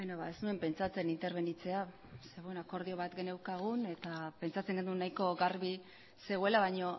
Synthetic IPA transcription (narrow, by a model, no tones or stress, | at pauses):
benoβa̰esnue̞mpe̞nt͡sat͡se̞nint̪e̞ɾβ̞e̞nit͡se̞a | se̞ɣuenako̞ɾð̞io̞β̞at̪ɡe̞ne̞wkaɣ̞une̞t̪ape̞nt͡sat͡se̞ŋɡe̞nd̪unajko̞ɣaɾβi | se̞ɣue̞laβajɲo̞